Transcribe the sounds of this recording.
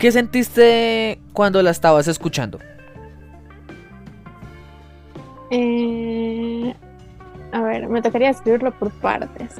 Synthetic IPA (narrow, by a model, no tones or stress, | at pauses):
ke̞s̬e̞nt̪ist̪e̞kwand̪o̞laest̪aβase̞skut͡ʃa̰nd̪o̞ | e | aβe̞̰ɾme̞t̪o̞kaɾiaðeskɾiβiɾlopoɾpa̰ɾt̪e̞s